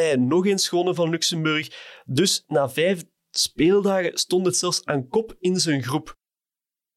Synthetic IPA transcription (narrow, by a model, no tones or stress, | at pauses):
ɛjnɔxeːnsxəʋɔnənvɑnlyksəmbɵrxdɵsnaːvɛːf | speːlˠdaːɣəstɔntətsɛlˠsaːnkɔpɪnzənɣrup